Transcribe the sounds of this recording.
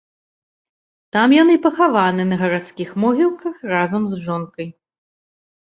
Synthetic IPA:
t̪amjanɨpɐxavanɨnɐɣɐɾat̪skʲixmɔɣʲilˠkɐxrazɐmzʐɔnkɐj

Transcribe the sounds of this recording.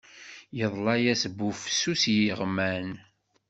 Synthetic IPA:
jəðˤlɑjæsbːufsusjiʁmæn

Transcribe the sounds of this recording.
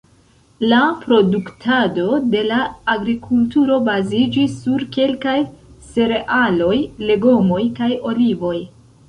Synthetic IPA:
lapɾo̞duktʰado̞de̞laːɡɾikʰultuɾo̞bazid͡ʒisːuɾke̞lkajse̞ɾe̞ʔalo̞jle̞ɡo̞mo̞jkajo̞livo̞j

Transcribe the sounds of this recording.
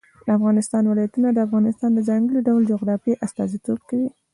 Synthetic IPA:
əafɣɑnɪst̪ɑnwɪlɑjat̪unad̪əafɣɑnɪst̪ɑnd̪əzaŋɡəliɖawld͡ʒoɣɾɑfiʔast̪ɑzit̪obkawi

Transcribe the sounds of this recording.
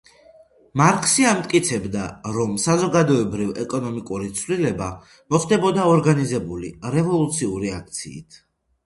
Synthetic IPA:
maɾkʼsiamt̪ʼkʼit̪sʰɛbd̪aɾɔmsazɔɡad̪ɔɛbɾivɛkʼɔnɔmikʼuɾit̪sʰvlilɛba | mɔχd̪ɛbɔd̪aɔɾɡanizɛbuliɾɛvɔlˠut̪sʰiuɾiak̚ʰt̪sʰḭːt̪ʰ

